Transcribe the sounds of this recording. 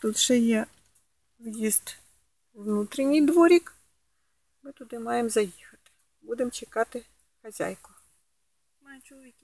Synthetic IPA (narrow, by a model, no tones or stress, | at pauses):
t̪ut̪ʒ̥ɛjɛ | ʋjizt̪ | ʋnut̪ɾʲinʲijd̪ʋɔɾʲik | mɪt̪ʊd̪ɪmɑjemzɐjixɐt̪ɪ̥ | bud̪emt͡ʃekɑt̪ɪ | xɐzʲa̰jkʊ | t͡ʃʲ